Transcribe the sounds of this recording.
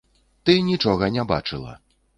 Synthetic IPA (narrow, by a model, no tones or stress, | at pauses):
t̪ɨnʲit͡ʂɔɣɐnʲaba̰t͡ʂɨlˠɐ̰